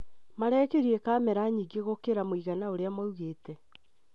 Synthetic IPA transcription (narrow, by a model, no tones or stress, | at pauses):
maɾɛːkeɾiɛkaːmɛɾaɲiɡeɣokeɾamoiɣanaoɾeamauɣeːtɛ